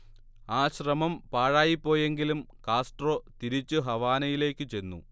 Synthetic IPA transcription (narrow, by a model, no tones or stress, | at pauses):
aːɕrɐmɐmpaːɻaːjipːo̞ːje̞ŋɡilum | kaːsʈro̞ːt̪iɾit͡ɕːɨɦɐʋaːnɐjile̞ːkːɨt͡ɕe̞nːṵ